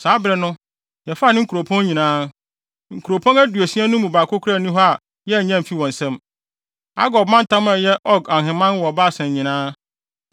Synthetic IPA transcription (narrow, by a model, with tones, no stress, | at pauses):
saː˨˦bɾɛ˨nʊ̃˦ | jɛ˨fa˦˨nɪ̃˦ŋ̩˦ku˨ɾo˨pʰɔ̃˦nɲĩ˨nãː˦ | ŋ̩˨kʰu˨ɾo˨pʰɔ̃˦næ˦du˨e˨si˦ã˦nʊ̃˦mũ˨ba˨kʰʊ˦kʰɾa˦˨nĩ˦ɦɔ˦a˨ | jɛ˦˨ɲã˦m̩˨fi˦wɔ̃˨n̩˨sɛ̃˦m | a̰˦ɡɔ˨b̚mã˦n̩˦tʰã˦mã˨jɛ˦ʔɔ˦ɡã˨ɦɪ̃˨mã˦nwɔ˨ba˦˨sɛ̃˨ɲɲĩ˨nãː˦